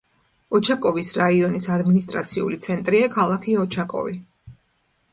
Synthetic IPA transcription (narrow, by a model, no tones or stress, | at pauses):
ɔt͡ʃʰakʼɔvisɾaiɔnisad̪minist̪ʼɾa̰t̪sʰiṵlit̪sʰɛnt̪ʼɾiakʰalˠakʰiɔt͡ʃʰakʼɔ̰vi